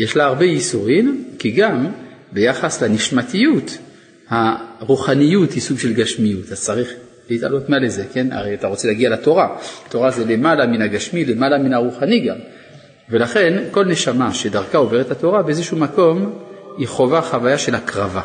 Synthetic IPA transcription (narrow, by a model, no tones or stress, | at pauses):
jeʃlaːʁbejisuʁimkiɡambe̞jaχasleniʃmatijut | haʁuχanijuthisuɡʃe̞lɡaʃmijutazt͡saʁiχ | leita̰lo̞tmaleze̞ke̞na̰ʁejat̪aʁot͡selaɡialato̞ʁaato̞ʁazelemalaminaɡaʃmile̞malaminaʁuχaniɡam | ve̞laχe̞nko̞lne̞ʃamaʃe̞daʁkao̞ve̞ʁet̪hato̞ʁabeezeʃuumako̞miχo̞vaχavajaʃe̞lhakʁava